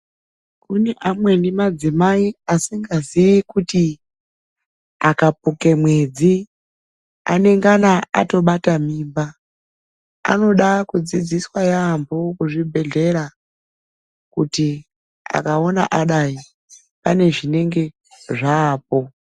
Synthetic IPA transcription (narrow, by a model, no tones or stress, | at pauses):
kuneʔamwendimad͡zimaiasiŋɡazijikuti | akapukemwed͡zi | a̰neŋɡanaa̰toɓatamiːmba | a̰no̞ɗakud͡zid͡ziswajambokuʐibʱeɮeɺa | kuti | a̰kaona̰ʔaɗai | paneʐineŋɡe | ʐaːp̚o